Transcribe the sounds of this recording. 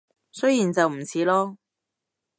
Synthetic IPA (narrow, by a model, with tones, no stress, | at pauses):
sɵ˥jiː˨˩nt͡sɐ˨wm̩˨˩t͡sʰiː˨˥lɔː˥